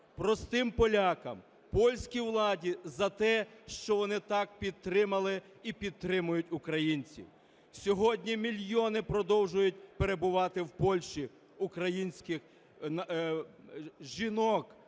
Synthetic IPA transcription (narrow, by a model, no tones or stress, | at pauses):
pɾɔst̪ɪmpɔlʲakɐm | pɔlʲsʲkʲiʋlˠɑdʲizɐt̪ɛʃt͡ʃɔʋɔnɪt̪ɑk̚pʲid̪̚t̪ɾɪmɐlˠɪ | ipʲid̪̚t̪ɾɪmʊjʊt̚ʲʊkɾɐjinʲt͡sʲḭw | sʲɔɦɔdʲnʲimʲilʲjɔnɪpɾɔd̪ɔwʒʊjʊt̚ʲpeɾe̞bʊʋɑt̪ɪwpɔlʲʃt͡ʃi | ʊkɾɐjinʲsʲkɪx | ʒinɔk